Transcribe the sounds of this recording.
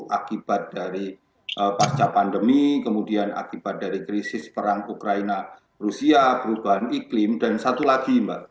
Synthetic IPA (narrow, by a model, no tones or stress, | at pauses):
ʔakib̥at̪̚daɾi | ʔəpast͡ʃapandəmikəmudiana̰kib̥at̪̚d̥aɾikɾisɪspəɾaŋukɾaina | rusiapəɾub̥aɦaniklɪmdansat̪ulaɡimbaʔ